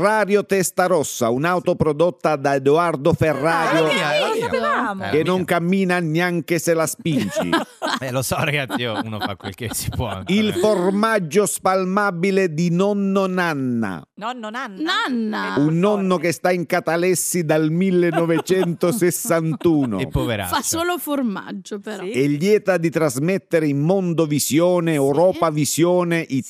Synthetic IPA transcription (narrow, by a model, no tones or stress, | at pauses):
raːɾjot̪ɛst̪aɾɔsːaunawt̪opɾɔd̪ot̪ːad̪aed̪oard̪oferːaːɾjo | k̟enːoŋkamːiːnanjaŋk̟eselaspint͡ʃḭɛlosɔɾaɡat̪sioṵno̰fa̰kːwḛlkesi̥pwɔ̰ilformad͡ʒːospalmaːbiled̪inɔnːonanːa̰ | nanːaunːɔnːokest̪aiŋkat̪alɛsːid̪almilːenɔvet͡ʃɛnt̪osesːant̪uːno̰epːovḛɾa̰fasoːloforma̰d͡ʒːopɛʎːjɛːt̪ad̪it̪ɾazmɛt̪ːeɾeimːɔnd̪ovisjɔːneɛwɾɔːpavisjɔːneʔi